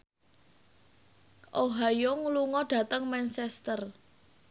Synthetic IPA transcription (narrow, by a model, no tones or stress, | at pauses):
ʔoɦajoŋuluŋɔɖ̥ä̤t̪əŋmɛnt͡ʃɛst̪ər